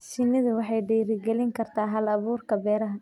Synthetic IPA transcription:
ʃɪnːɪðʊwɑħɑjɖiːɾɪɡɛlɪŋkʰɐrt̪ʰaːɦɐlɐβuːrkʰɐbɛːɾɐɦɐ

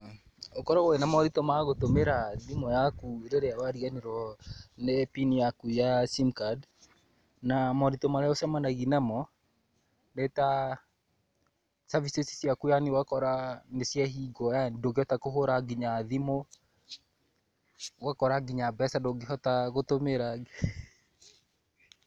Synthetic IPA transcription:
okɔɾɔwoenamɔɾitomaɣotomeɾaðimɔjakueɾeɾeawaɾianiɾɔnepinijakujasimkad | namɔɾitomaɾaɔsɛmanaɣinamɔ | neta | savisesi̥sjakujanewakɔɾanesjɛɦiɡɔjandoɡeɔtakoɦoɾaɡiɲaðimo | wakɔɾaɡiɲabɛsadoɡeɦɔtaɣotomeɾaɡe

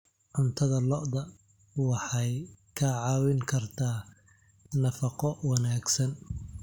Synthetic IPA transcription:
ʕʊnt̪ʰɐðɐlɔʔd̪ɐ | wɑħɑjkʰɐʕɑːwɪŋkʰɐrt̪ʰaː | nɐfɑqɔwɑnaːɡsɐn

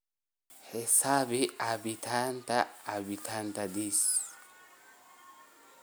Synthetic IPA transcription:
hesabiabit̪ʰantaːbitʰantadis

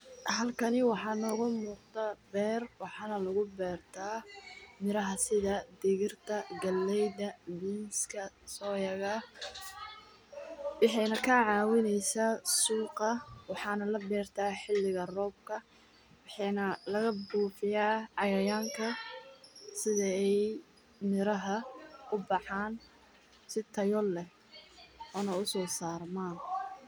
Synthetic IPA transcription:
ɦɐlkʰɐnɪwɑħɑːnɔːɣʊmuːqd̪ɐbɛːrwɑħɑːnɐlʊɣʊbɛːrt̪ʰaːmɪɾɐɦɐsɪðɐd̪ɪɣɪrt̪ʰɐɡɐlːɛjd̪ɐviːnskʰɐsɔːjɐɣɐ | wɑħɛjnɐkʰɐʕɑːwɪnɛjsasuːqɐwɑħɑːnɐlɐbɛːrt̪ʰaːħɪlːɪɣɐrɔːb̚kʰɐ | wɑħɑjnɐlɐɣɐbuːfɪjaːʕɑjɐjaːŋkʰɐ | sɪðɐɛj | mɪɾɐɦɐʊbɑħɑːn | sɪt̪ʰɐjɔlɛ | ɔːnɐʊsɔːsaːrmaːn

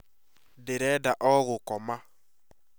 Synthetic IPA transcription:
dɪɾɛdaʔɔɣʊkɔma

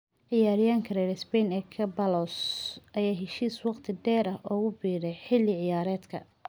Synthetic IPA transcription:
ʕɪjaːɾɪjaːŋkʰɐɾɛɾɛsbɛjnɛkʰɐbɐlɔsʔɐjaːɦɛʃiːswɑqt̪ʰɪd̪ɛːɾɐʔɔːɣʊbiːɾɛjħɪlɪʕɪjaːɾɛːd̪kʰɐ̰

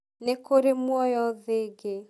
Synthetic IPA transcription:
nekoɾemwɔjɔðeɡe

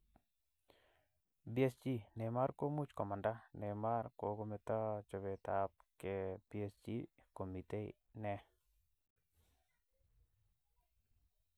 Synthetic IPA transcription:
biesd͡ʒinɛmaɾkomut͡ʃkɔmandanɛmaɾkoɡomet̪at͡ʃɔbet̪ap̚keb̥iesd͡ʒikomit̪eḭ | nɛ

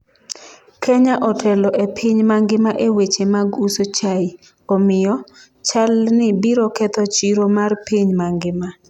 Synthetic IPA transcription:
kʰɛɲaʔɔtʰɛlɔʔepʰiɲmaŋɡɪmaʔewet͡ʃemaɡusot͡ʃai | ɔmɪjɔ | t͡ʃalnɪbiɾɔkɛt̪ɔt͡ʃiɾomarpiɲmaŋɡɪma

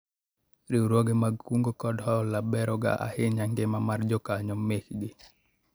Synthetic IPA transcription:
ɾiuɾwoɡemaɡkuŋɡokɔdhɔlabɛɾɔɡa̰ʔa̰hɪɲaŋɡemamard͡ʒɔkaɲɔmːekɗi

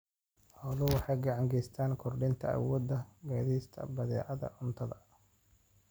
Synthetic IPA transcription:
hɔːðʊwɑħɑjɡɑʕɑŋɡɛjst̪ʰaːnkʰɔrɖɪnt̪ʰɐa̰wɔːd̪ɐɡaːðiːst̪ʰɐ̰bɐðɛ̰ːʕɐðɐ̰ʊnt̪ʰɐðɐ̰

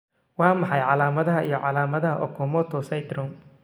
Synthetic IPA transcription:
wɑːmɑħɑjʕɑlaːmɐðɐɦɐʔijɔʕɑlaːmɐðɐɦɐʔɔ̰kʰɔmɔt̪ʰɔsɐjd̪ɾɔm

